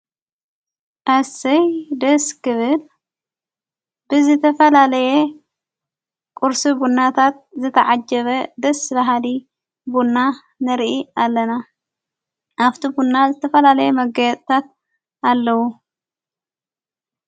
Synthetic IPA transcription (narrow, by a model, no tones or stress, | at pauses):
ʔasɐjd̪ɐskɨβɨl | bɨzɨt̪ʰɐfɐlalɐje | kʼuɾsibunːat̪ʰat̪̚zɨt̪ʰɐʕad͡ʒɐβɐd̪ɐsbɐɦali | bunːa | nɨɾʔialːɐna | ʔaft̪ʰibunːazɨt̪ʰɐfɐlalɐjemɐɡɐjt̪ʼt̪ʰat̪̚ | alːɐwu